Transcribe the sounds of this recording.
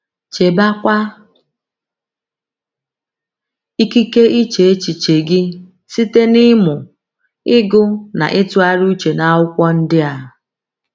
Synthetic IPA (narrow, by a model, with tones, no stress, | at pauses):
t͡ʃe˨ba˦kʷa˦ | i˦ki˦ke˦ʔi˦t͡ʃe˨e˦t͡ʃi˨t͡ʃe˨ɡɪ˦ | si˦te˦nɪ˦mʊ˨ | ɪ˦ɡʊ˦na̰˨ʔɪ˦tʊ˦a˦ɾu˦t͡ʃe˨na˨ʊ˦kʷɔ˦n̩˦dɪ˦a˨